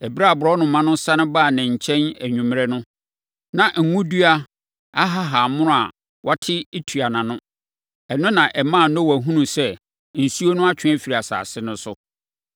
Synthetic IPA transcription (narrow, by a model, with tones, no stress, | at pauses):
ɛ˨bɾa˦a˨bʊ˨ɾɔ˦nʊ̃˨mã˦nʊ̃˦sa˦nʊ̃˦baː˦˨nɪ̃˨ɲ̩˨t͡ɕʰɛ̃˦næ˨ɲũ˨m˦ɾɛ˦nʊ̃˦ | nã˨ŋ̩˨ŋũ˦du˦a˦ | a˦ɦa˦ɦa˨mʊ̃˦nʊ̃˦a̰˨ | wʔa˦tʰɪ˦e˦tʰu˨a˨nã˨nʊ̃˦ | ɛ˨nʊ̃˦nã˨ʔɛ˨mã˦˨nɔ̃˦wæ˨ɦũ˦nũ˨sɛ˦˨ | n̩˨si˦o˦nʊ̃˦a˦t͡ɕʰᶣɪ̃˦æ˦fi˨ɾi˨a˨sa̰ː˨sɪ˦nʊ̃˦sʊ˦